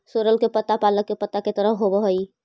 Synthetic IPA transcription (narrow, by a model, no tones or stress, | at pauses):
soɾəlkepət̪ːapaləkːepət̪ːaket̪əɾəɦobəɦəj